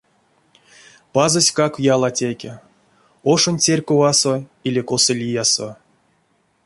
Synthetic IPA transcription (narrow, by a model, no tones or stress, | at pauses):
pazosʲkakjalˠatʲekʲe | oʂonʲt͡sʲerʲkovasoilʲekosolʲijaso